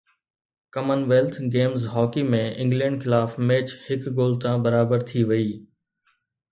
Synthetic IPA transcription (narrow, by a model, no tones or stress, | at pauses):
kɐmənʋeːlt̪ʰɡeːmzɦɔːkimẽɪ̃ŋɡlɛ̃ːɳɖxɪlaːfmeːt͡ɕhɪkɡoːlt̪ãbɐɾaːbəɾt̪ʰiʋɐiː